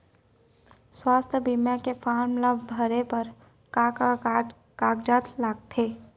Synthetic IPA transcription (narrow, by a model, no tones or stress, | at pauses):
swaːst̪ʰəbimjakefʰaːɾmləbbʱəɾepəɾ | kaːka | kaːkd͡ʒaːt̪ʰlaːɡt̪ʰeː